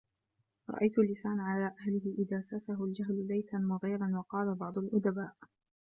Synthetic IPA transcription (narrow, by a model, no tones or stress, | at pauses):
ɾˤɑ̰ʔajt̪ʊlːɪsaːnʕalaːʔahlɪhɪʔɪðaːsasaɦʊld͡ʒaɦlbajt̪anmʊɣiːɾɑnwɑqɑːlabɑʕd̪ˤʊlʔʊd̪abaːʔ